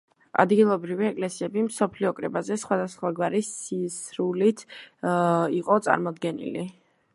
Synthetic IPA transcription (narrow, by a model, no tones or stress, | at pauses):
a̰d̪ɡilˠɔbɾiviɛkʼlɛsiɛbimsɔpʰliɔkʼɾɛbazɛsχwad̪asχwaɡwaɾisisɾulit̪ʰ | iqʼɔt̪sʼa̰ɾmɔd̪ɡɛnḭli